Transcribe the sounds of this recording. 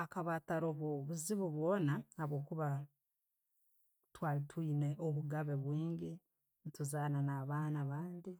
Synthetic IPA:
akaβataɾoβoβuziβuβwoːnaːβo̞ːkuβa | twaːlitwiːneʔoβuɡaβe̞βwiːŋɡe | ntuzaːnanaːβaːnaβaːndi

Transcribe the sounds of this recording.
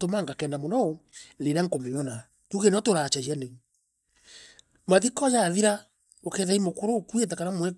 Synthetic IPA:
tomaŋɡakɛnamonɔɾeɾaŋkomeɔna | tuɣenɔtoɾat͡ʃajiane | maðikɔjaːðiɾa | okɛðaimokoɾoːkuɛt̬ɛkanamwɛ

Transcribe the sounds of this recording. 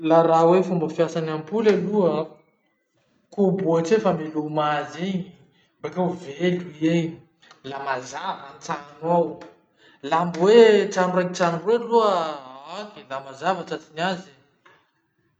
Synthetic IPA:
laɾawefumbəfjasanampulalua | kubuaʈ͡ʂefamelumaziɲi | bakawveluieɲi | lamazavant͡sanaw | lambwet͡sanreŋit͡sanureluəakilamazavaʈ͡ʂat͡sinazi

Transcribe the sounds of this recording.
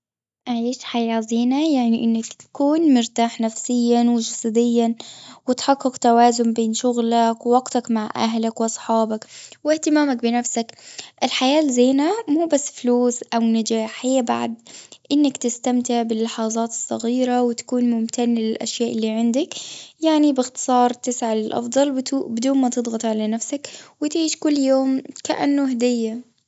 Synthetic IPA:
ʔaʕiːʃħajaːziːnajaʕniʔɪnːakt̪ḁkuːnmʊɾt̪aːħnafsɪjːanwɪd͡ʒɑsˤad̪ɪjːawɪt̪ħɑqːɨqt̪awaːzʊmbeːnʃʊɣlakwɪwɑɡt̪akmaʕʔa̰ɦlakwʔɑsˤħɑːbakwɪht̪ɪmaːmak̚bɪnafsakʔɪlħajaːlzeːnamuːbasːfluːsʔawnad͡ʒaːħiːaba̰ʕd̪ʔɪnːakt̪ɪst̪amt̪ɪʕbɪlːɪħɑːzˤɑːt̪ɨ̥sˤːɑ̰ɣiːɾawɪt̪ḁkuːnmʊmt̪ʰanlɪlʔa̰ʃjaːʔɪlːiːʕɪnd̪ɪkjaʕnibɪxt̪ɨ̥sˤɑːɾˤt̪ɪsʕalɪlʔɑ̰fd̪ˤɑlwt̪ubɪd̪uːnmat̪ɨd̪ˤɣɑt̪ˤʕalanafsakwɪt̪ʕiːʃkʊlːjoːmkaʔa̰nːʊɦad̪ɪjːa

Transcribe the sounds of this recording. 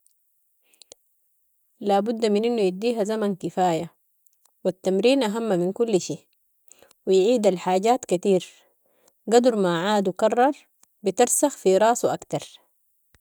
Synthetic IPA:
laːbud̪ːaminʔinːujid̪ːiːɦazamankifaːja | wat̪ːamɾiːnʔaɦamːaminkulːʃeː | wijʕiːd̪alħaːɟaːt̪kat̪iːɾ | ɡad̪uɾmaʕaːd̪ukɑrˤːɑɾˤ | bit̪ɪɾsaxfiɾˤɑːsˤwʔakt̪ɑɾˤ

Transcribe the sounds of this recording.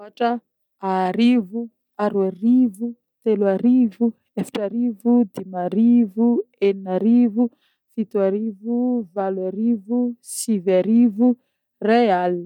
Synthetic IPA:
aʈ͡ʂə | aɾivu | aɾuarivu | t̪eluaɾivu | efḁʈ͡ʂaɾivud̪imaɾivueninaɾivu | fit̪uaɾivuvalwaɾivusivaɾivu | real

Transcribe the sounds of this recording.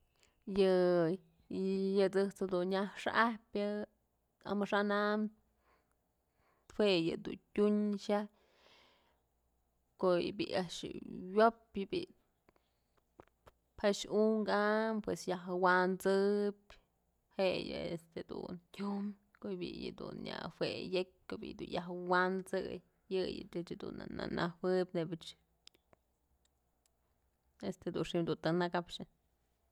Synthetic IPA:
jɨ | jɨt͡sɨht͡sad̪unɲaʂʔahpʲɨ | a̰mɨʂanam | t̪hejɨd̪ṵntʲuɲʃa | kojbiaʔʂwopɨbḭ | phaʃuŋɡampwesjaɦwant͡sɨbʲ | hejɨest̪ed̪untʲjum | koʔjbijɨd̪unjahwejek̚ʲkobḭʔd̪unjaɦwant͡sɨj | jɨjɨt̪ɨt͡ʃd̪unananʔawɨbʲnebet͡ʃ | est̪ed̪unʂimd̪unt̪ɨnakapʂɨ

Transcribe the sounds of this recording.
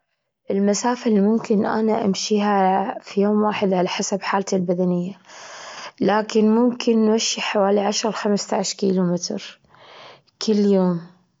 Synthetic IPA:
ʔɪlmasaːfalimʊmkɪnʔa̰naʔamʃiːɦafijoːmwaːħɪd̪ʕalaħasabħaːlt̪ɪlbad̪anɪjːa | laːkɪnmʊmkʰɪnːwaʃːiħawaːliʕaʃɾˤxamst̪aʕʃkiːlumɪt̪ɾ | kʰɪlːjoːm

